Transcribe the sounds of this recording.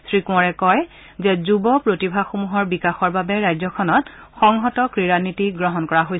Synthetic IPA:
sʰɹikũɔɹɛkɔj | zɛzubɔpɹotibʱaxomuɦɔɹbikaxɔɹbabɛɹajzɔkʰɔnɔt | xɔŋɦɔtɔkɹiɹanitiɡɹɔɦɔnkɔɹaɦoj

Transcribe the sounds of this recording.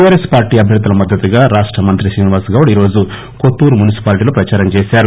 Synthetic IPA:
jaːɾeːspaːɾʈiːɐbʱjɐd̪ulɐmɐd̪ːɐt̪ːuɡaːɾaːʂʈɾɐmɐnt̪ɾisiːniʋaːsɡɐwɐɽiːɾo̞ːd͡ʒu | kot̪ːuːɾmunisi̥paːliʈiːloːpɾɐt͡ʃaːɾɐmt͡ʃeːsaːɾu

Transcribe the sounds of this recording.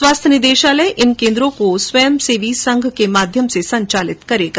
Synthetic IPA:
swaːst̪ʰənɪd̪eːʃaːləʔɪnkẽːnd̪ɾõkoswɐjəmseːʋʱisɐ̃ŋɡʱkemaːd̪ʱjəmsesɐ̃ɲt͡ʃaːlɪt̪kɐɾeːɡa

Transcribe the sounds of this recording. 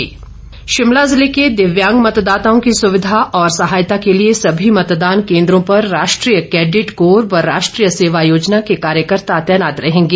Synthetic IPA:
ʃɪmlaːzɪleked̪ɪʋjãːŋɡmɐt̪d̪aːt̪aõkisʊʋɪd̪ʱaʔɔːɾsɐɦaːjt̪akeliesɐbʱimɐt̪d̪aːnkẽːnd̪ɾõpɐɾːaːʃʈɾijəkɛːɖɪʈkoːɾʋɐɾːaːʃʈɾiːjəseːʋajoːd͡ʒnakekaːɾjəkəɾt̪aɐt̪jənaːt̪ɾɐɦẽːŋɡeː

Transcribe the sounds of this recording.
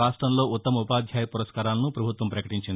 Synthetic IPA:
aːʂʈɾɐmlo̞ːut̪ːɐmɐupaːd̪ʱjaːjɐpuɾɐskaːɾaːlɐnupɾɐbʱut̪ʋɐmpɾɐkɐʈiɲt͡ʃind̪

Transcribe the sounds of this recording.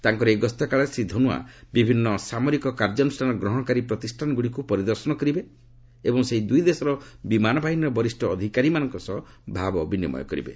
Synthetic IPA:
t̪aŋkɔɾeɡɔst̪ɔkaɭɔsid̪ʱːɔnua̰bibʱinːɔsamɔɾikɔkaɾd͡ʒɔnusʈʰanɔɡɾɔɦɔɽ̃ɔkaɾipɾɔt̪isʈʰanɔɡuɽikupɔɾid̪ɔɾsɔnɔkɔɾibe | ebɔŋseɦid̪ujd̪esɔɾɔbimanɔbʱaɦinɔɾɔbɔɾisʈʰɔːd̪ʱikaɾimanɔŋkɔsɔɦ | bʱabɔbinimɔ̰jɔ̰kɔɾḭbe

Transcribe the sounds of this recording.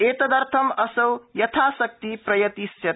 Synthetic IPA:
et̪ɐd̪ɐɾt̪ʰɐmɐsɐwjɐt̪ʰasʌk̚t̪ipɾɐjɐt̪isjɐ

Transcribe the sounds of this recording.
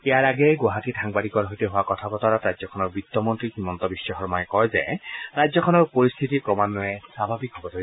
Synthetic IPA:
ejaɹaɡɛjɡɔɦatitʰaŋbadikɔɹɦɔjtɛɦʊwakɔtʰabɔtaɹatɹajzɔkʰɔnɔɹbɹitːɔmɔntɹihimɔntɔbisːɔxɔɹmɔjkɔɹjzɛ̰ɹajzɔkʰɔnɔɹpoɹist̪ʰitikɹɔmanːɔɛsabʱabikɦɔbɔto

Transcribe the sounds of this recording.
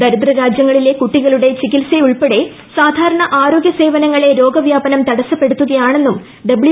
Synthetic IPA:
d̪ɐɾid̪ɾɐɾaːd͡ʑjɐŋːɐɭile̞kuʈːiɣɐɭuɽe̞t͡ɕikilseuɭpeɽe̞ | saːd̪ʱaːɾɐɳɐʔaːɾo̞ːɡjɐse̞ːʋɐnɐŋːɐɭe̞ɾo̞ːɡɐʋjaːbɐnɐmt̪ɐɽɐsːɐpːe̞ɽut̪ːuɣɐjaːɳenːum | ɖɐbɭi

